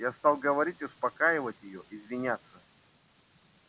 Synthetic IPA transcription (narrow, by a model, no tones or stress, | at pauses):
jast̪ɑlˠɡəvɐɾʲitʲɪʊspɐkajɪvətʲjɪjoʔɪzvʲɪnʲat̪sːə